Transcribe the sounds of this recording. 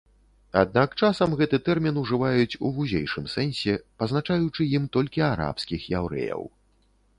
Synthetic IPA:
ad̪̚nakt͡ʂasɐmɣɛt̪ɨt̪ɛrmʲinuʐɨvajut͡sʲṵvuzʲḛjʂɨmsɛnʲsʲɛpɐznat͡ʂajut͡ʂɨjimt̪ɔlʲkʲiaɾa̰pskʲixjawɾɛ̰jɐ̰w

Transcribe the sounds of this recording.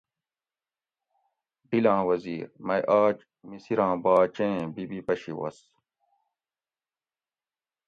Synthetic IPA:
ɖilãːwɐziːɾmɐjʔaːt͡ɕ | misiɾãːbaːt͡ɕẽbibipɐɕiwɐ̰s

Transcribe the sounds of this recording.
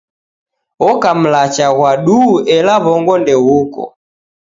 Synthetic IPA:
ɔkam̩lat͡ʃaɣwaɗuʔɛlaβɔŋɡɔndɛɣukɔ̰

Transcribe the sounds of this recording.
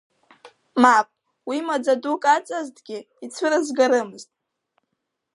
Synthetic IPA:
mapʼ | wimad͡zadukʼat͡sʼaztʼɡʲɪ | it͡sʷʰɨɾɨzɡaɾɨmɨztʼ

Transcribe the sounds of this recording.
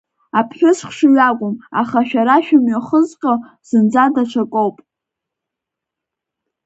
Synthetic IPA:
apʰχʲɪsχʷʂɥakʷʼʊma̰χaʃᶣaɾaʃᶣamɥaχəzqʲʼa | z̥ɨnd͡zadat͡ʃʷʰakʷʼowpʼ

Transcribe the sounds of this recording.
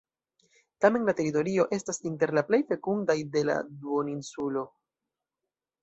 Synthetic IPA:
tame̞nlate̞ɾito̞ɾio̞ʔe̞stasinte̞ɾlaple̞jfe̞kundajde̞la̰duoninsulo̞

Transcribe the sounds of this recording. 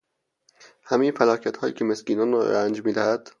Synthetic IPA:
hæmejefælɒːcʰæt̪hɒːjḭːcʰemesciːnɒːnrɒ̰ɾænd͡ʒmiːd̪æhæd̪̥

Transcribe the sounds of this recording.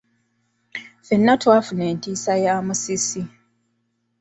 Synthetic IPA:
fenːatwaːfune̞ːntiːsajaːmusisi

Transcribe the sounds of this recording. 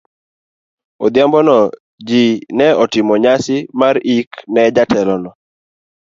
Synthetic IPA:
ɔd̪jambɔnɔ | d͡ʒinɛɔtɪmɔɲasɪmaɾiknɛd͡ʒatɛlɔnɔ

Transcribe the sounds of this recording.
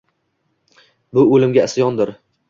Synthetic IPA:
bʊɵlɪmɡʲaɪsjɒnd̪ɪɾ

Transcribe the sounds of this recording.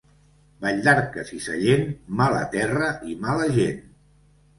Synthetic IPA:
baʎd̪aɾkəsisə̰ʎenmalə̰t̪ɛrəʔimaləʒen

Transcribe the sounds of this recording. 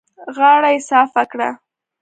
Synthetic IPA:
ɣɑɽajsɑfakɽa̰

